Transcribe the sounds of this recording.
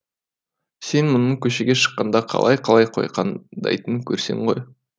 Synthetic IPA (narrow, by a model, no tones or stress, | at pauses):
se̞nmʊnəɴkʲʰɵʃeɡʲe̞ʃə̥qːɑnd̪ɑqʰɑ̰lˠɑ̰jqʰɑlˠɑjqʰo̰jqɑ̰nd̪ɑ̰jt̪əŋkʲʰɵɾse̞̰ɴʁo̞̰j